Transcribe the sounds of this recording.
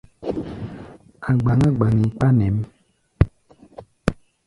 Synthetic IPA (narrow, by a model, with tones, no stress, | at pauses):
a˨ɡ͡ba˨ŋa˦ɡ͡ba˨ŋi˨k͡pa˦nɛ̃˨˦m˦